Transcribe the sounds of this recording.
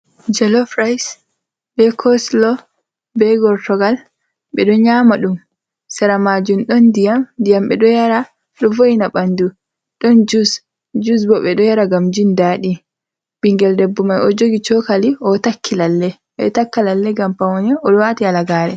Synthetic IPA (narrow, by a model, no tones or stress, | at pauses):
d͡ʒɛlɔfɾajs | bɛkʰɔslɔ | bɛɡɔɾtɔɡal | ɓɛɗɔɲamaɗum | sɛɾamad͡ʒumɗɔndijamdijamɓɛɗɔjaɾa | ɗɔvojnaɓandu | ɗɔnd͡ʒus | d͡ʒus̬bɔɓɛɗɔjaɾaɡamd͡ʒindaɗi | b̥iŋɡɛldɛbːumajɔd͡ʒoɡit͡ʃɔkaliɔtakʰːilalːɛ | ɓɛ̰takːalalːɛɡampawɔnɛɔɗɔwatialaɡaːɾɛ